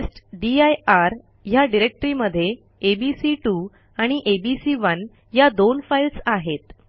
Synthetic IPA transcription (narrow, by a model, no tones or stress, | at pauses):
sʈɖiajaɾ | jaɖiɾek̚ʈəɾiməd̪ʱːjeː | bisiʈu | aɽ̃iʔebisiʋən | jad̪onfajlsaɦet̪